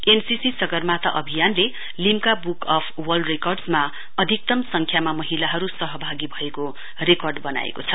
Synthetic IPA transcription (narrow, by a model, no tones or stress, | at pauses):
ensisisʌɡʌrmat̪aʔʌbʱijanle | limkabukʌpʰwʌlɖrekʌrɖsma | ʌd̪ʱik̚t̪ʌmsʌŋkʰjamamʌɦilaɦʌɾusʌɦʌbʱaɡibʱʌeko | rekʌrɖbʌna̰ḛkot͡sʰʌ